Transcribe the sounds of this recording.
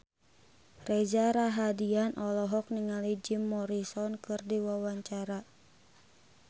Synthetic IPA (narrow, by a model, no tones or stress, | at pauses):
red͡ʒaɾaɦadianʔɔlɔɦɔk̚niŋalid͡ʒimːɔɾisɔnkɨrdiwawaɲt͡ʃaɾa